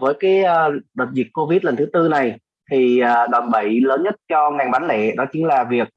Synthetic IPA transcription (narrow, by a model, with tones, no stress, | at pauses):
vəː˨˦jkaː˨˦jəː˧ɗəː˨˩t̚zi˨˩ək̚kːo˧vi˦˥t̚lə˨˩nt̪ɨ˨˦t̪ɨ˧na˨˩j | t̪ʰi˨˩əː˨˩ɗa˨˩mɓə˧˩jləː˨˦nɲə˦˥t̚t͡ɕɔ˧ŋa˨˩ŋɓa˨˦nlɛ̰˧˨ɗɔ˨˦t͡ɕï˨˦ŋlaː˨˩vi˨˩ək̚